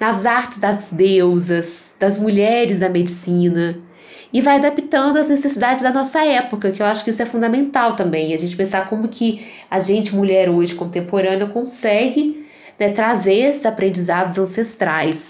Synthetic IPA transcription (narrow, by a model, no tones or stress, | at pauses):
nɐzaɾt͡ʃɪzd̪ɐzd̪ewzɐsd̪ɐzmuʎɛɾɪzd̪ɐmed͡ʒisĩnɐ | ɪvajad̪apit̪ɐ̃nd̪ʊɐznesesid̪ad͡ʒɪzd̪ɐnɔsɐɛpokɐkɪewaʃʊ̥kɪisʊɛfũd̪ɐmẽnt̪awt̪ɐ̃mbẽj̃ɐʒẽnt͡ʃɪ̥pẽsakõmʊkʰɪ | aʒẽnt͡ʃɪmuʎɛɾoʒɪkõnt̪ẽmpoɾɐ̃nɪɐkõsɛɡɪ | nɛt̪ɾazeɾesɪzapɾẽnd͡ʒizad̪ʊzɐ̃sest̪ɾajs